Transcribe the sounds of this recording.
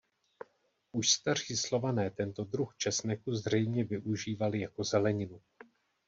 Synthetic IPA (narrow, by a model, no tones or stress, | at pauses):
ʔuʃst̪ar̝̥iːslo̞vanɛːt̪ɛnt̪o̞d̪ɾuxt͡ʃɛsnɛkuzr̝ɛjmɲɛvɪʔuʒiːvalɪjako̞zɛlɛɲɪnu